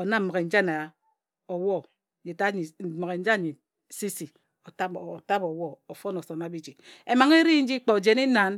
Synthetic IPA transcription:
o˨na˦m̩˦ma˨ɣe˨n̩˦d͡ʒa˦na˨ | o˨wɔ˦ | d͡ʒi˨ta˦i˨m˨ɣe˨n̩˦d͡ʒa˦˨ɲi˨ | si˦si˨ | o˨ta˦˨ta˦bo˨wɔ˦o˨fo˦no˨so˨n˨a˨bi˦d͡ʒi˨e˨ma˨ŋe˦ɾi˦n̩˦d͡ʒi˦k͡po˨d͡ʒe˨ni˦na˨n

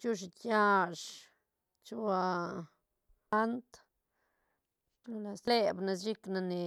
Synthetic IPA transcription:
t͡ʃu˦ʃ̬i˧t̪ja˧ʂ | t͡ʃu˦˧a˧ | a˦nt̪ | la˧˨sle˧bna˧st͡ʃi˦kna˧ne˨

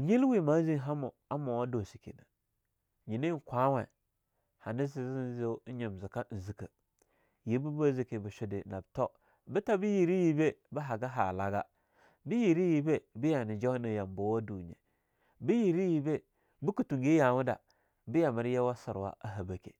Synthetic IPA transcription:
ɲi˦lwi˦˨ma˨˦zi˦n˦ɦa˦mo˨ | a˦mo˨wa˦do˨si˨kḛ˨na˨ | ɲi˨ni˦˨kʷa˦wa̰˨ | ha˨nɪ˦zi˨zi˦n˦zi˦ɲi˨m˨zi˨ka˦n̩˨zi˨ka˨ | ji˨˦bu˦ba˦zi˨ke˨bə˨ʃʊ˦di˨na˨bto˦ | bə˦ta˦bi˦ji˨ɾi˦ji˦be˦bə˦ɦa˨ɡa˦ɦa˨la˨ɡa̰˦ | bi˦ji˨ɾi˦ji˨be˦bi˦ja˨nɪ˨d͡ʒa˦na˨ja˨mbo˨˦wa˦du˨ɲḛ˨ | bi˦ji˨ɾi˦ji˨be˦ | bi˦ku˨tu˨ŋɡi˦ja˨wu˦da̰˨ | bi˦ja˨mə˨ɾjɛ˦wa˦sɪ̰˨ɾwa̰˦a˦ɦa˨ba˨kḛ˨

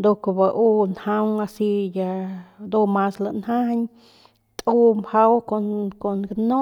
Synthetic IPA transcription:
d̪o˧ko˧ba˧ʔu˦nha˧ŋa˧si˧ja˧d̪o˧ma˧sla˧nha˦haɲ | t̪ʼu˧mha˧wko˧nko˨nkano˦

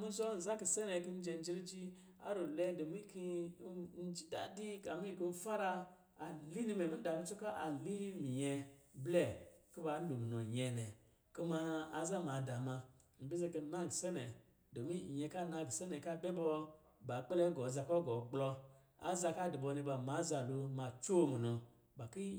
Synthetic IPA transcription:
mu˦zo˦n̩˨za˦ki˨se˦ne˨ki˦n̩˦d͡ʒe˧n̩˦d͡ʒi˦ɾi˦d͡ʒi˦ | a̰˦ɾo˨le˦do˨mi˦ki˦n̩˦d͡ʒi˦da̰˨di˦ka˨mi˦i˨ki˦m̩˦fa˦ɾa˧ | a˨li˦ni˦me˨mi˦n̩˦da˨mi˦t͡ʃu˦ka˦ʔa˨li˦mi˨jɛ˧ble˦˨ki˦ba˨˦n̩˦bu˨mi˨no˨ɲe˨nɛ˨ | ko˦ma˧a˨za˦ma˨da˨mã˧ | m̩˨bi˦ze˧ke˧˦na˦˨ɡi˨se˦nɛ˨ | do˨mi˦˨jɛ˧˦ka˦na˧˨ɡi˨se˦nɛ˨ka˦be˦bɔ˧ | ba˨k͡pe˦le˦ɡɔ˨za˧kɔ˦ɡɔ˨ɡ͡blɔ˧ | a̰˨za˧ka˦di˨bɔ˧ne˧ba˨ma˨˦za˧˨lo˧ma˨t͡ʃo˦˨mi˨no˧ | ba˨ki˦

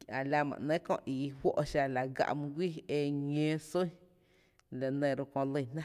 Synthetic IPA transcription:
a˨la˧mã̰˨ʔnẽ˦kõ̰˧ʔi˨˦hwʷo˦ʔʃa˧la˨ɡa̰˧ʔmũ˧ɡʷiː˦e˧ɲẽ˦so˦ | le˨nẽ˧˨ɾo˧kõ˧lə˧˨nã˦

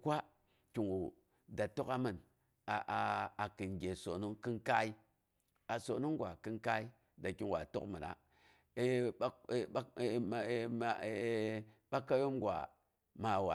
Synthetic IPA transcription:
kʷa˦ | kʲi˨ŋwu˨ | da˨to˦ka˦mɨ˨n | a˨ʔa˨kɨ˨nɡʲe˨so̰˨nu˦ŋki˦nka˦i˦ | a˨so˨nu˦ŋ˦ɡʷa˨kɨ˦nka˦i˦ | da˨ki˨ŋwa̰˨to̰˦kmɨ˨na̰˨˦˨ | ɓa˦ka˦jo˦mɡʷa̰˨ | ma˨wa̰˨

